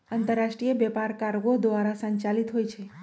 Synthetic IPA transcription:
ant̪əɾːaʃʈɾijebjɛpaɾkaɾɡod̪ʋaɾasəɲt͡ʃalit̪ɦojt͡ʃʰe

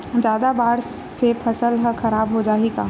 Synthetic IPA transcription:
d͡ʒaːd̪abaːɾ | sepʰɐsəlɦɐxɐɾaːbɦod͡ʒaːikaː

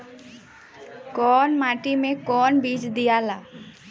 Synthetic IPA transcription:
kɔːnmaːʈimẽkɔːnbiːd͡ʒd̪ijala

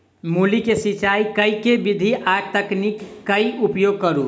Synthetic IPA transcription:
mulikesit͡ʃajkəjkebid̪ʱiʔat̪əknikːəjupjoɡ̚kəɾu

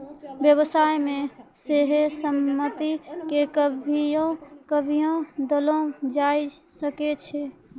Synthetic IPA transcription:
bjəβəsajmẽseɦesəmːət̪ikekəbʱiõkəbʱijõd̪əlõd͡ʒajsəket͡ʃʰɛ

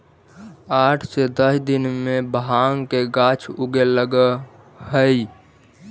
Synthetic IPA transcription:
aʈʰsed̪əsd̪inmebəɦaŋkeɡat͡ʃʰuɡeləɡə | həj

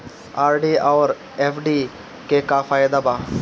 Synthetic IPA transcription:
aːɾɖiːaːɾ | eːfɖiː | kekafaːjɪd̪abaː

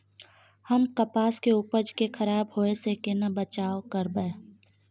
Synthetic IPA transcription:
həmkəpaːskeʊpəd͡ʒkekʰəɾaːbɦoːesekenɐbət͡ʃaːokəɾbeː

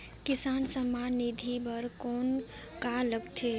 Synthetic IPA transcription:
kisansəmːanid̪ʱibəɾkon | kaləɡt̪ʰe

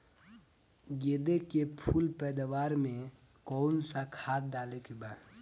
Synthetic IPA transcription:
ɡeːd̪ekepʰulpɛːd̪awaːɾmẽ | kɔːnsakʰaːt̪̚ɖaːlekeba

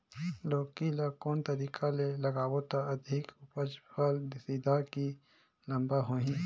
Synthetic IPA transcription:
loːkilakoːnt̪əɾiːkʰalelɐɡaːwot̪aɐd̪ʱɪkʊpəd͡ʒpald̪siːd̪aki | lɐ̃mbaɦoːɦĩː

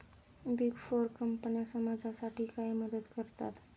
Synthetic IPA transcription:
biɡfoɾkəmpənjasəmad͡zasaʈʰiːkaiməd̪əd̪kəɾt̪a̰t̪

